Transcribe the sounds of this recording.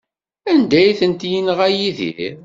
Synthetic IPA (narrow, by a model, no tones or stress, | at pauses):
ænd̪æjθənt̪jinʁæjiðḭ